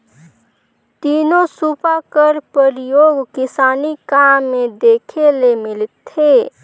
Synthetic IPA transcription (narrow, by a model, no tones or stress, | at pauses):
t̪iːnosuːpakəɾpəɾjoːɡkɪsaːnikamːẽd̪eːkʰelemɪlt̪ʰːeː